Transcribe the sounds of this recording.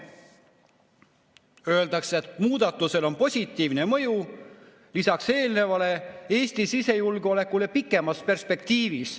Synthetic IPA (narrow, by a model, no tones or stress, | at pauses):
ø̞eld̪̥ɑkset̪muːd̪̥ɑt̪ˑːuse̞lo̞npo̞sʲit̪ːˑiːvne̞mɤ̞ju | lisɑkse̞ːlne̞vɑle̞eːsʲt̪isise̞julɡo̞le̞kːˑule̞pikːˑe̞mɑspe̞rspe̞kt̪iːvis